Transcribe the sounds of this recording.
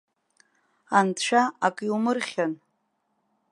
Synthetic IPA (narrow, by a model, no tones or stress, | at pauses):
antʰt͡ʃʷᶣaakʼilmɨrχʲan